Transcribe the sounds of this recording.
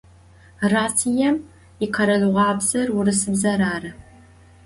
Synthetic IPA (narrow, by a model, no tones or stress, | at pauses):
raːtʰijɛm | iqʰɐɾɐɮʁʷɑːbz̥ɐrwʊrɨsɨbzɐɾaːrɨ